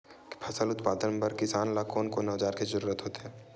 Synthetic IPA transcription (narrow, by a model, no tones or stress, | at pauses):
pʰɐsəlʊt̪paːd̪ənpɐɾkɪsaːnlaːkʰoːnkonɔːd͡ʒaːɾkizɐɾuːɾət̪ɦoːt̪eɦɛ̃ː